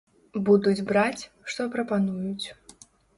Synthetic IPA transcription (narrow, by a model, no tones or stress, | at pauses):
bud̪ud͡zʲbɾat͡sʲ | ʂt̪ɔpɾɐpanujut͡sʲ